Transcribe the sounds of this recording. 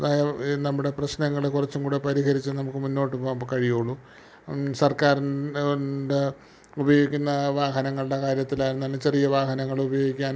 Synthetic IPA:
ɐðaːjɐnɐmːuɽe̞prɐɕnɐŋːɐɭekurɐt͡ɕːuŋkuːɽepɐɾiɣɐɾit͡ɕːɨnɐmukːɨmunːo̞ːʈːɨpoːkɐɻijoːɭːu | sɐrkaːɾin | de | ubɐjo̞ːɡikʲːunːɐʋaːɦɐnɐŋːɐɭuɽɐkaːɾjɐt̪ːilaːjɾnːaːlɨt͡ɕe̞rijɐʋaːɦɐnɐŋːɐɭubɐjo̞ːɡikʲːaːn

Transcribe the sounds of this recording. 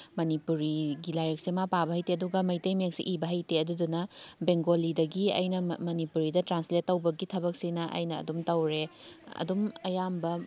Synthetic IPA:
mɐnipuɾiɡilajɾek̚semapabɐɦɐjteɐduɡɐmɐjtɐjmjeksḭʔibɐɦɐjteɐdudunɐbeŋɡolidɐɡiɐ̰jnɐmɐnipuɾidɐtɾansletːɐwbɐɡitʰɐbɐk̚sinɐʔɐ̰jnɐ̰ːdumtɐwɾeɐ̰dumɐjambɐ

